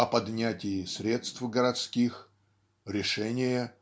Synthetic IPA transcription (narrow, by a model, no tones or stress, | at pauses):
ɐpɐd̪nʲætʲɪjɪsʲɾʲe̞t̪st̪fɡəɾɐt̪skʲix | ɾʲɪʂɛnʲɪjə